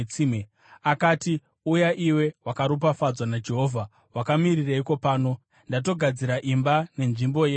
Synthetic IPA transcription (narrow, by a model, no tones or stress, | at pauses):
t͡sime | akaːti | ujaʔiwe̞wakaɾup̬afad͡zwanad͡ʒe̞ɦo̞ːvʱa | wakamiriraiko̞paːno̞ | ndat̬o̞ɡʱad͡ziɾaʔimbane̞nʐimbo̞je